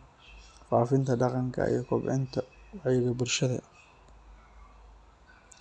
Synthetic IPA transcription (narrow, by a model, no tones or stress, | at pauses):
faːfɪnt̪ʰɐɖɑqɑŋkʰɐ̰ḭjɔkʰɔbʕɛ̰nt̪ʰɐwɑħɪɣɐbʊlʃɐðɐ̰